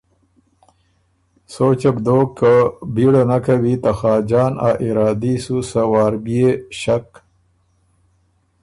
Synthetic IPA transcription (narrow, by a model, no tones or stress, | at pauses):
soːt͡ʃabd̪oːkːəbiɽanakawit̪axɑːd͡ʒɑːna̰ʔiɾɑːd̪isusawɑːɾbijeɕak